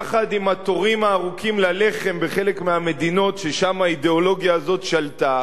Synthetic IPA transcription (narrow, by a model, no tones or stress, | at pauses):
χad̪imat̪o̞ʁimaːʁukimlale̞χe̞mbe̞χe̞lekmeame̞d̪ino̞tʃeʃamaid̪eolo̞ɡjaːzo̞t̪ʃalt̪a